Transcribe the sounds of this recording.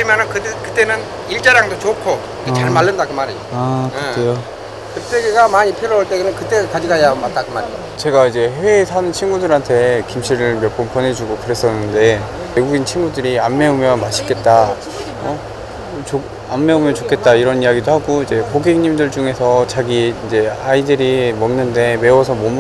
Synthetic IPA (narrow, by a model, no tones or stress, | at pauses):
imjʌnɯnkɯkɯt͈enɯn | iɭt͡ɕ͈aɾjaŋdot͡ɕokʰo | ket͡ɕaɭmaɭːɯndakɯmaɾioaeeo | kɯpʰeɡiɡamaɲipʰiɾooɭt͈eɡnɯnkɯt͈ekad͡ʑiɡajamat͈̚akɯmaɾio | t͡ɕe̞ɡaid͡ʑe̞heːsʰanɯnt͡ɕʰinɡudɯɾɦantʰe̞kimɕʰiɾɯɭmjʌp͈ompʰʌnɦe̞d͡ʑuɡokɯɾe̞s͈ʌnːɯnde̞ | me̞ɡuɡint͡ɕʰinɡudɯɾiamːe̞omjʌnmaɕʰik͈e̞t̚t͈a | ʌ | t͡ɕo | amme̞omjʌnt͡ɕokʰe̞t̚t͈aiɾʌnijaɡidoɦaɡoid͡ʑe̞koɡiŋɲimdɯɭt͡ɕuŋe̞sʰʌt͡ɕaɡiːnd͡ʑe̞aidɯɾimʌŋnːɯnde̞me̞wʌsʰʌmom